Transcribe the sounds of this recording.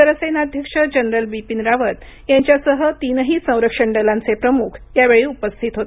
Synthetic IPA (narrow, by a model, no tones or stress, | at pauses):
əɾəsəjnad̪ʱjəkʂəd͡ʑənɾəlbipinɾaʋət̪ | jaɲt͡ɕjasəɦət̪inɦiːsə̃w̃ɾəkʂəɳɖəlãnt͡sepɾəmukʰjaʋeɭiːupəst̪ʰit̪ɦot̪